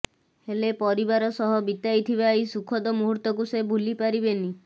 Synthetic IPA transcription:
helepɔɾibaɾɔsɔɦɔbit̪ajt̪ʰibajsukʰɔd̪ɔmuɦuɾt̪ɔkusebʱulipaɾibeni

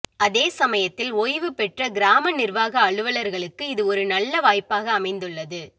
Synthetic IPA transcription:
ɐðeːsɐmɐjɐt̪ːɪlɔjʋɯpɛʈrɐɡɪɾaːmɐnɪɾʋaːɣɐːɭɯʋɐlɐɾɣɐɭɯkːɯɪðɯɔɾɯnɐlːɐʋaːjpaːɣɐːmɐɪnd̪ɯɭːɐðɯ

